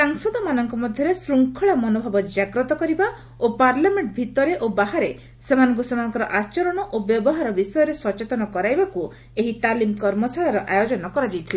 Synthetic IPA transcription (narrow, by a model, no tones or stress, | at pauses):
saŋsɔd̪ɔmanɔŋkɔmɔd̪ʱjɔɾesɾuŋkʰɔɭamɔnobʱɔbɔd͡ʒaɡɾɔt̪ɔkɔɾiba | opaɾlameɳʈbʱit̪ɔɾeʔobaɦaɾe | semanɔŋk̬usemanɔŋkɔɾɔʔat͡ʃɔɾɔɽ̃ɔʔobjɔbɔɦaɾɔbisɔjɔɾesɔt͡ʃet̪ɔnɔkɔɾajbaku | eɦit̪alimkɔɾmɔsaɭaɾɔʔajod͡ʒɔnɔkɔɾad͡ʒajt̪ʰile